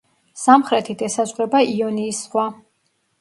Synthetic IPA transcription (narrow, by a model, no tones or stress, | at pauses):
samχɾɛt̪ʰid̪ɛsazʁɾɛbaiɔniːsχwa